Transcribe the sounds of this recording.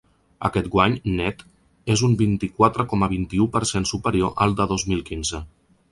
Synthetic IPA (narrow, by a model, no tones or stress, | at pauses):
ə̰kɛt̪ɡwaɲnɛt̪ | ezumbint̪ikwat̪ɾəkɔməβ̞int̪iupəɾsensupəɾioʔəlˠd̪əðozmilˠkinzə